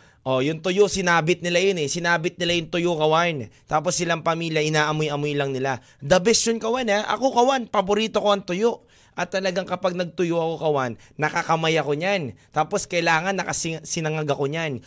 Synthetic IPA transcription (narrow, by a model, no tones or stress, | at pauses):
ʔo̞jʊŋt̪ʊjoʔsɪnaːbɪt̪̚nɪlajonɛsɪnaːbɪt̪̚nɪlajʊŋt̪ʊjokɐwant̪aːp̬o̞sːɪlaŋpɐmiːljɐʔɪnaːʔɐmojʔɐmojlɐŋnɪla | d̪ɐbɛsjonkɐwanaʔɐ̰ko̞kɐwanpɐboɾiːt̪o̞ko̞ɐŋt̪ʊjoʔ | ʔɐt̪ːɐlɐɡaŋkɐpaɡ̚nɐɡ̚t̪ʊjoʔɐko̞kɐwanːɐkɐkɐmajɐko̞ɲant̪aːpo̞skɐʔɪlaːŋɐnːɐkɐsɪsɪnɐŋɐɡɐko̞ɲan